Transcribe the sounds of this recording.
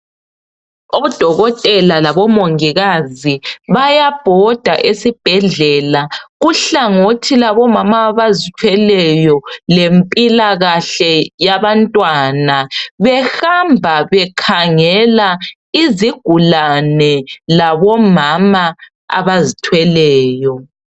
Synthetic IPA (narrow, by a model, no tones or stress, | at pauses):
oβud̥ʱɔɣɔtʼɛlalaβɔmoŋiɣaziβajab̥ʱɔd̥ʱa̰ʔesib̥ʱɛɮɛlaɣuɬaŋotʰilaβɔmamaːβazitʰwɛlɛjɔlempʼilaɣaɬɛjaβantʼwaːnaβɛxambʱaβɛkʰaŋɛla | iziɡ̥ʱulanɛlaβɔmama | a̰βazitʰwɛlɛːjɔ